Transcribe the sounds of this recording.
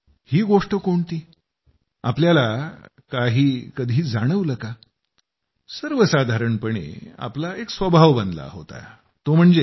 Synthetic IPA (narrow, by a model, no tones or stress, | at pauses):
hiːɡoʂʈəkoɳt̪iː | a̰pljala | kaɦiːkəd̪ʱiːd͡zaɽ̃əʋləka | səɾʋəsad̪ʱaɾəɳpəɽ̃ḛa̰plaeksʋəbʱaʋbənd̪la̰ɦo̰t̪a̰ | t̪om̤əɳd͡ze